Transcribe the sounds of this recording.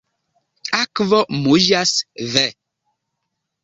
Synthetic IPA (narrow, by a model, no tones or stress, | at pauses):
akvɔʔmoʒasvɛ